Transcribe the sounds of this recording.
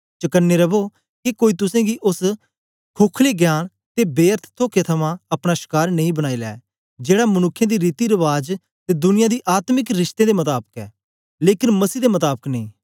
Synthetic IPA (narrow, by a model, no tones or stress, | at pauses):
t͡ʃəkənːeɾəboː | kikoːiːt̪ʊsãːɡiːʔʊs | kʰoːkʰleːɡjaːn | t̪ebeːəɾt̪ʰt̪ʰoːket̪ʰəmãɐpɽ̃aʃɪ̥kaːɾnə̃ĩːbəɽ̃aːiːlɛ̰ː | d͡ʒeːɽaːmənʊkʰːjãːd̪iːɾiːt̪iɾəʋaːd͡ʒ | t̪eːd̪ʊnɪjãːd̪iːʔaːt̪mɪkɾɪʃt̪ẽd̪eːmət̪aːbəkɛː | leːkɪnməsiːd̪eːmət̪aːbəknə̃ĩː